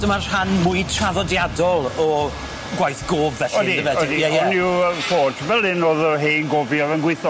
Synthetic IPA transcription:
dəmarr̥anmʊɨtʰraðɔdjadɔlˠɔ | ɡwajθɡ̥oːvvɛɬɔdiəvɛddijɛjɛniwəfoːtʰvɛlˠɪnoːðəɦeːnɡoːvjɔvənɡwɪɨθɔ

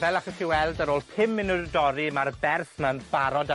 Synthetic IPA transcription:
vɛlaχəɬiwɛlˠdəɾoːlˠpʰɪmɪnədɔɾimarbɛrθmanb̥aɾɔd

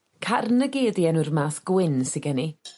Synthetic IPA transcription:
kʰarnəɡeːdjɛnurmaːθɡ̥wɪnsɪɡɛni

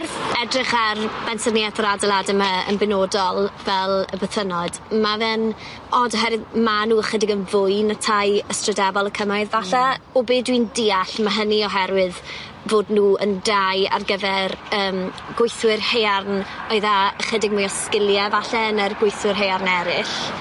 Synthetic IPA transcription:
rɛdrɪχarb̥ɛnsərniatʰɾadəladəməə̰nbɪnoːdɔlˠvɛlˠəbəθənɔd̥mavɛn | ɔdɔɦɛɾwɨðmanuːəχədɪɡənvʊjnatʰajəstrədɛbɔlˠəkʰəmajðvaɬaɔbeːdwindiːaɬmaɦəniɔɦɛɾwɪð | voːdnuːəndaja̰rɡəvɛrəːmɡ̥wʊjθwɪrhejarnɔɨðaəχədɪɡ̚mujɔskɪlˠjɛvaɬɛənərɡwʊjθwɪrɦejarnɛɾɪɬ

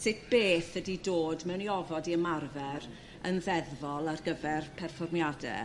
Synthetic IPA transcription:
sɪtʰb̥eːθədidoːdmɛwniɔvɔdiəmarvɛɾ | ənðɛðvɔlˠarɡəvɛrpʰɛrfɔrmjadɛ̰

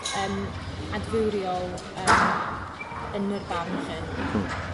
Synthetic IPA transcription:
əːm | advɪwɾjɔlˠ | əːm | ənərvanχən

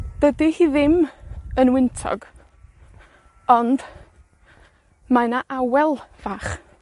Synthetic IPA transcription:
d̥ədihiːðɪmənwɪntʰɔ̰ɡ | ɔnd | manaʔawɛlˠv̥aːχ

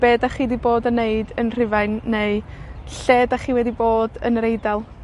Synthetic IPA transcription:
b̥eːdaχiːdiboːdəneɨdənr̥ɪvajnːeɨɬeːdaχiːwɛdiboːdə̰nɾejdalˠ

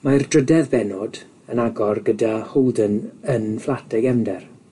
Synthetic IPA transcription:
mardrədɛvbɛnɔd | ənaɡɔrɡədahodənənflˠatʰɛɡɛmdɛr

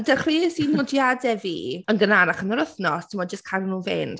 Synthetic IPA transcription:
dɛχriːsinnɔdjadɛvḭːənɡənanaχənəɾəθnɔtʰɪmɔd̚d͡ʒəstkʰanənuːvɪ̰nd̥

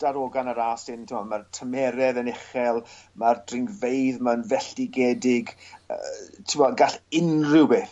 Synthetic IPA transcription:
d̥aɾoɡanaɾaːsɪntʰɪmɔmartʰəmɛɾɛðənɪχɛlˠmardrɪŋɡvejðmənvɛɬd̥ɪɡɛdɪɡə̰tʰɪmɔɡaɬɪnrɪwbeːθ

